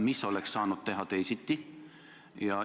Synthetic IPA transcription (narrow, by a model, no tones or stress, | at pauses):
misːolekssɑːnut̪t̪eɦɑt̪eisit̪ːi | jɑ